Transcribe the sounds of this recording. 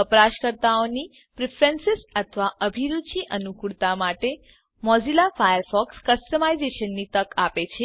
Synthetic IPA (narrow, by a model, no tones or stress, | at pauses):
əpəɾaʃkəɾt̪aoni | pɾɪfʰɾensɪsət̪ʰʋaʔəbʱiɾuʃiʔənukuɭt̪amaʈe | mɔd͡ʒilafajəɾfɔkskəsʈəmaizeʃənːit̪əkapet͡ʃʰe